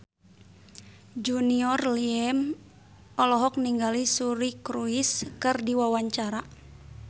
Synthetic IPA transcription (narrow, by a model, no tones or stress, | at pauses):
d͡ʒuniɔrliɛm | ɔlɔɦɔk̚niŋɡalisuɾikɾuiskɨrdiwawaɲt͡ʃaɾa